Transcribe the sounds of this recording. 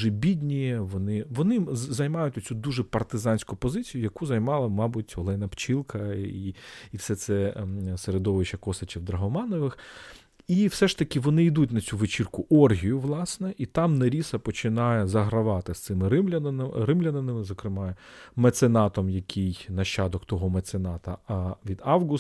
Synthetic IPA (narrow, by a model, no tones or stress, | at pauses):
ʒɛbʲid̪ʲnʲijɛʋɔnɪʋɔnɪzɐjmɑjʊtʲɔt͡sʲud̪uʒɛpɐrt̪ɪzɑnʲsʲkʊpɔzɪt͡sʲijʊjɐkuzɐjmɑlˠɐmɑbʊtʲɔlˠɛjnɐpt͡ʃilˠkɐiifsɛt̪sɛseɾed̪ɔʋɪʃɐkɔsɐt͡ʃʲiwd̪ɾɐɦɔmɑnɔʋɪx | iwsɛʂt̪ɐkʲɪʋɔnɪid̪utʲnɐt͡sʲuʋɪt͡ʃirkʊʔɔrɦʲijʊʋlˠɑsnɛʔit̪ɑmnɐɾʲisɐpɔt͡ʃɪnɑjɛzɐɦɾɐʋɑt̪ɪst̪sɪmɪɾɪmlʲɐrɪmlʲɐnɐnɪmɪzɔkɾɪmɑmet̪senɑt̪ɔmjɐkʲʰijnɐʃːɑd̪ɔkt̪ɔɦɔmɐt̪senɑt̪ɐʋʲid̪ɑwɣʊs